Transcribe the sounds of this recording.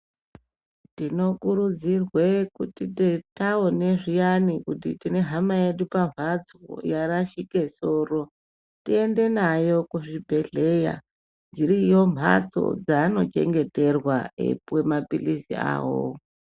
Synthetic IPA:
tino̞kuɾud͡zirwekutitetaone̞ʐijanikutḭtine̞ɦamaje̞ɗupamvʱat͡so̰jaɾaʃike̞so̞ːro̞ | tie̞nde̞najo̞kuʐibʱe̞ɮe̞ja̰ | d͡ziɾijo̞m̤ʱa̰t͡so̞̰d͡zano̞t͡ʃe̞̰ŋɡe̞te̞rwaḛpwe̞mapilisḭa̰ːwo̰

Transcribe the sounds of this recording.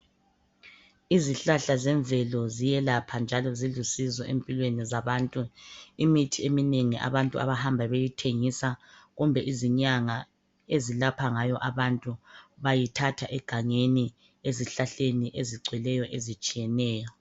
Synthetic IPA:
iziɬaɬazɛɱvʱɛlɔzijɛlapʰand͡ʒʱalɔziɮusizɔʔempʼilwenizaβaːntʼuimitʰiemineŋiʔa̰βantʼṵʔa̰βahambʱaβejitʰeŋisaɣumbʱɛʔiziɲaŋa | ezilapʰaŋajɔʔaβantʼuβajitʰatʰaʔɛɡ̥ʱaŋeni | eziɬaɬeniʔeziɡ͡ǀʱwɛlɛjɔʔezit͡ʃʼijɛnɛːjɔ

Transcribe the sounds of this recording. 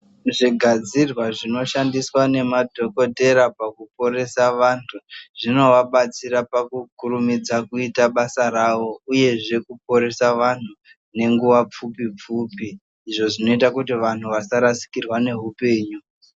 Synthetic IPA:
ʐiɡʱad͡zirwaʐino̞ʃandiswane̞madʱo̞ko̞te̞ɾapakupo̞ɾe̞saʋantʰuʐino̞ʋaɓat͡siɾapakukuɾumid͡zakuitaɓasarawo̞uje̞ʐe̞kup̚o̞ɾe̞saʋan̤u | ne̞ŋɡuʋap͡fupip͡fuːpiː | ʐo̞ʐino̞itakutiʋan̤uʋasaɾasi̥kirwane̞ɦupe̞ːɲu

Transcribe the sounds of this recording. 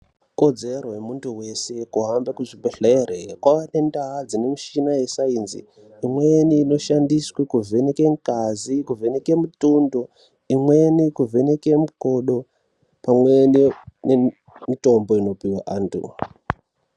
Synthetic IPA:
ko̞d͡ze̞ɾojemuntuwe̞se̞kuɦambakuʐibeɬerekwawane̞ndaɦad͡zinemuʃinaje̞sainzḭː | mweniːno̞ʃandiswikuvʱe̞nekeŋkazikuve̞nekemutundo | imwenikuvʱe̞nekemukoɗo̞ | pamwenine | mito̞mbo̞ino̞piwaʔaːntʰṵ

